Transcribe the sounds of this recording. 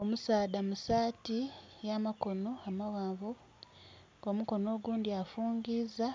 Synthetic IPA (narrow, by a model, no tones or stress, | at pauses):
omusaːdamusaːtijamako̞no̞amawaːɱvu | ɡo̞muko̞no̞ːɡuːndiafuːŋɡiːza